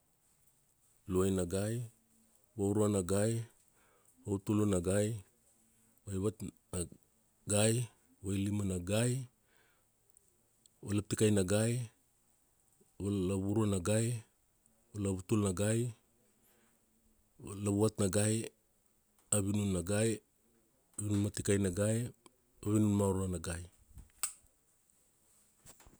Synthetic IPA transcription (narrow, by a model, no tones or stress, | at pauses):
luajnaɡaj | βauɾuanaɡaj | βautulonaɡaj | βajβat | na | ɡaj | βajlimanaɡaj | βalap̚tikajnaɡaj | βalaβuɾuanaɡaj | olaβutulnaɡaj | laβuβatnaɡaj | aβinunːaɡaj | aβinunmatikajnaɡaj | aβinunmauɾuanaɡaj